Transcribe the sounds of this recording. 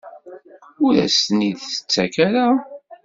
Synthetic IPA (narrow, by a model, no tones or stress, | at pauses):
ʊɾæ̰sniðθə̥t͡sːækaɾa